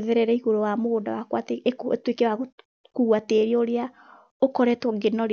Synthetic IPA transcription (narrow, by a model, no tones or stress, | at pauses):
ðɛɾɛɾɛiɣoɾowamoɣondawakwateektwekewaɣ | kuɣwateɾeoɾea | okɔɾɛtwɔɡenɔɾ